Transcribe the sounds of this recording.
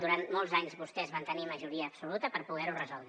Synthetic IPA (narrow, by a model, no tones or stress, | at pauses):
d̪uɾant̪mɔlˠzaɲzβust̪ɛzβant̪əniməʒuɾiəːpsulut̪əpəɾpuɣɛɾurəzɔlˠd̪